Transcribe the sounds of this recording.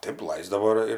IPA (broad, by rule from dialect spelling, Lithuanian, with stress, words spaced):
ˈtɐɪp ˈlˠɐɪzdɐʋoː ɪr ɪr